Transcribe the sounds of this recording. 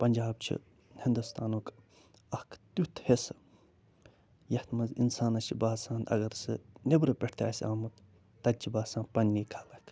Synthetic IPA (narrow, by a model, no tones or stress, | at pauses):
pɐnʲd͡ʒaːb̚t͡ʃʰḭ | hind̪ust̪aːnuːk | ɐhkʰt̪ut̪ʰhesɨ | jɐht̪mɐzḭnsaːnɐt͡ʃʰibaːsaːnɐ̰ɡɐɾsɨ̰nebɾɐpʲeʈt̪ʲa̰ːsʲaːmut̪ | t̪ɐt͡ʃʰibaːsãːnpɐnːiːkʰaːlɐk